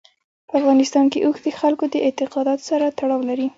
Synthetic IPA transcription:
pəafɣɑnɪst̪ɑnkeʔuxd̪əxalkod̪əʔɪt̪ɪqɑd̪ɑt̪o̥saɾat̪aɽɑwlaɾi

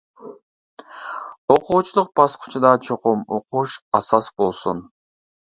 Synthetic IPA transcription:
oquːt͡ʃʰulˠuq̚bɑsqʊ̥t͡ʃʰud̪ɑt͡ʃʰoqumoquʃɑsɑsbo̞lˠsun

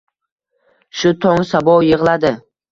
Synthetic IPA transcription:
ʃʊt̪ʰɒŋsabɒjɨʁlˠad̪ɪ

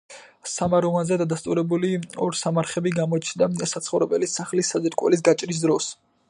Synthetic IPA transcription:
samaɾɔvanzɛd̪ad̪ast̪ʼuɾɛbuliɔɾsamaɾχɛbiɡamɔt͡ʃʰnd̪asat̪sʰχɔvɾɛbɛlisaχlisazɛɾkʼwɛ̰lis̬ɡat͡ʃʼɾis̬d̪ɾɔs

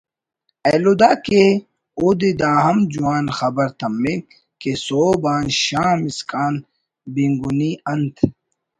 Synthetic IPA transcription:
ɐːlud̪aːke | ud̪id̪aːɦɐmd͡ʑuwaːnxɐbɐɾt̪ɐmːe | kesoːbaːnɕaːmiskaːn | biŋɡuniɐnt̪ʰ

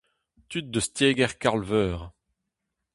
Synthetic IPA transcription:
t̪yt̪̚d̪əst̪jeːɡɛʁkaʁlvœːʁ

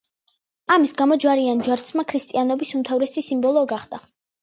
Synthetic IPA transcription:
amisɡamɔd͡ʒwaɾiand͡ʒwaɾt̪sʰmakʰɾist̪ʼianɔbisumt̪ʰavɾɛsisimbɔlˠɔːɡaχd̪̥a

